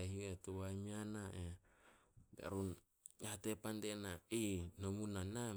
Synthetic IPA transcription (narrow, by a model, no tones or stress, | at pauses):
ɦietuβajmianaʔe | ɡa̰ɾun | ate̞pandenainomunana